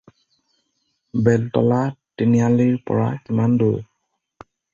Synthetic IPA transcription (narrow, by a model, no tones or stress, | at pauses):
bɛltɔlatinijaliɹpɔ̰ɹa̰imandoj